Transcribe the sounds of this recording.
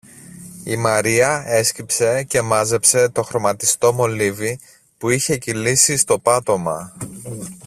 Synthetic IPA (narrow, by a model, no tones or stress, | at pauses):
imɐɾiɐe̞scipse̞ce̞mɐze̞pse̞t̪o̞xɾo̞mɐt̪ist̪o̞mo̞livi | puiçe̞cilisist̪o̞pɐt̪o̞mɐ